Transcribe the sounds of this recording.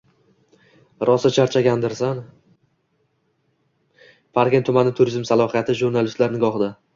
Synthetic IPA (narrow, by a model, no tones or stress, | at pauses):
ɾʔɒsat͡ʃʰaɾt͡ʃʰaɡʲand̪ɪɾsan | pʰaɾɡʲent̪ʰːʊmanɪt̪ʰʊɾizmsalˠɒhijat̪ʰɪʒuɾnalɪst̪laɾnɪɡɒχd̪a